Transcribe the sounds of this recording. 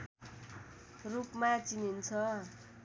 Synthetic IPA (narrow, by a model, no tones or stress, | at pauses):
rupmat͡sinint͡sʰʌ